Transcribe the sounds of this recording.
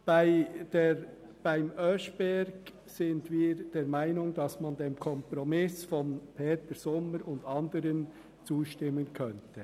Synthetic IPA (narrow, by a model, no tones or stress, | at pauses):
b̥aɪd̥e | b̥aɪmœʃb̥ɛɾɡ̥ | sɪndviːɾd̥eːɾmaɪnʊŋd̥ɑsmɑndeːmkʰɔmpɾɔmɪsfɔnpʰeːtəɾsɔmːəɾʊndɑndəɾən | t͡suːʃtɪmːənkʰœntʰɛ